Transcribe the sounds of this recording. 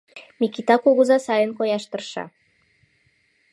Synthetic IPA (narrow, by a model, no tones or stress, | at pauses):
mikit̪ɑkuɣuzɑsɑjənkojɑʃt̪ərʃɑ̰